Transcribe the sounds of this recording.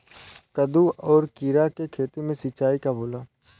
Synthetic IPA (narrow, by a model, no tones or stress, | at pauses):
kəd̪uʔɔːɾkiːɾakekʰeːt̪imẽsɪt͡ʃaːikaboːlaː